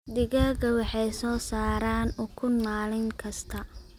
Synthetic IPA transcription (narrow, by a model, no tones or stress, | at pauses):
d̪ɪɣaːɣɐwɑħɑjsɔːsaːɾaːnʊkʰʊnmaːlɪŋkʰɐst̪ʰɐ